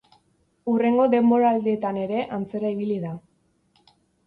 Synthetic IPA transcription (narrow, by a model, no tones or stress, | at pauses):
ure̞ŋɡo̞ðe̞mbo̞ɾaːld̪et̪ane̞ɾe̞ʔant͡se̞ɾaiβ̞iliða